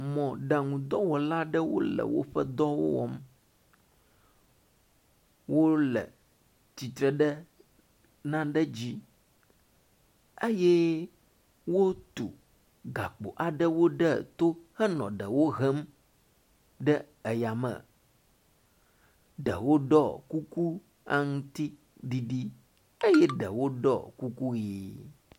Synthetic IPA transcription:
mɔ̃˨ɖa˨ŋũ˨d̪ɔ˦wɔ˨la˦ɖə˦wo̰˦lə̰˨wo̰˦ɸə˦d̪ɔ˦wo̰˦wɔ̰˦m | wo˦lə̰˨ | t̪i˨t̪ɾɛ˨ɖə˦ | nã˦ɖə˦d͡ʑi˦ | e˦jɛ˦ | wo˦t̪ṵ˨ | ɡa̰˨k͡po̰˨ʔa˨ɖə˦wo˦ɖə˦t̪o˦hə˦nɔ̰̃˨ɖə˨wo˦ɣɛ˦m | ɖə˦ | ə˨ja˨mə̰̃˨ | ɖə̰˨wo˦ɖɔ˦˨ku˦ku˦ | a̰˦ŋũ˦t̪i˦ | ɖi˦ɖi˦ | e˦jɛ˦ɖə˨wo˦ɖɔ̰˦˨ku˦ku˦je˨

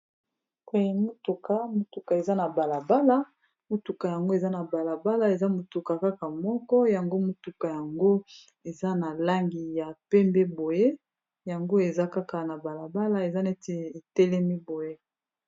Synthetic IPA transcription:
e˨e˨mo˦tu˨ka˨˦mo˦tu˨ka˨e˨za˦na˨ba˨la˨ba˦la˦ | mo˦tu˨ka˨ja˨ŋɡo˦e˨za˦na˨ba˨la˨ba˦la˦e˨za˦mo˨tu˨ka˨ka˦ka˨mɔ˦kɔ˦ja˨ŋɡo˦mo˦tu˨ka˨ja˨ŋɡo˦ | e˨za˦na˨la˦ŋɡi˨ja˨pɛ˦mbe˦bo˨je˦ | ja˨ŋɡo˦e˨za˦ka˦ka˨na˨ba˨la˨ba˦la˦e˨za˦nɛ˦te˨e˨tɛ˦lɛ˦mi˦bo˨je˦

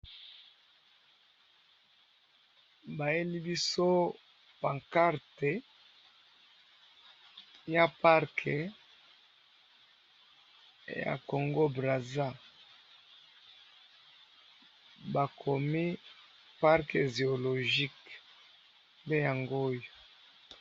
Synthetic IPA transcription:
ba˨je˦li˦bi˦so˦ | pa˨ŋka˦ʁte˨ | ja˦pa˦ʁkʰe˨ | ja̰˨ko˨ŋɡo˦bʁa˨za˦ | ba˨kʰo˨mi˦ | pa˦ʁke˨ze˨o˨lo˨ʒi˦k | mbe˦ja˨ŋɡo˦jo˨

